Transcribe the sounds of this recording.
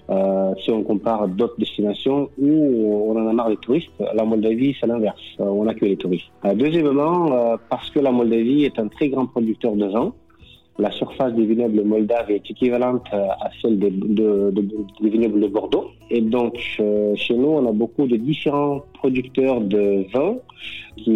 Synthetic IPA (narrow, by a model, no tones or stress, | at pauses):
øsiɔ̃kɔ̃paʁd̪ot̪χəd̪ɛst̪inasjɔ̃uɔ̃nɑ̃namaʁlet̪uʁist̪lamɔld̪avisɛlɛ̃vɛʁsɔ̃nakœjlet̪uʁist̪d̪øzjɛmmɑ̃øpaʁsə̥kəlamɔld̪aviɛt̪ɛ̃t̪χɛɡʁɑ̃pχɔd̪yk̚t̪œʁd̪əvɑ̃ | lasyʁfasd̪evinœbləmɔld̪avɛt̪ekʲivalɑ̃t̪asɛld̪ed̪əəd̪evinœbləd̪əbɔʁd̪o | ed̪ɔ̃kʃenuɔ̃nabokud̪əd̪ifeʁɑ̃pχɔd̪ykt̪œʁd̪əvɛ̃kʲʰi